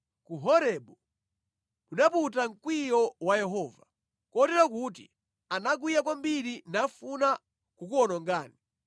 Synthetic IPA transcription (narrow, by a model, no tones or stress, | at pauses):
kuɦɔɾɛɓɔ | kuɗaputaŋ̩kwijɔwajɛɦɔːva | kɔtɛɾakut̬i | anaɡwijak̬wambiɾinafuna | kukuɔnɔŋɡaːni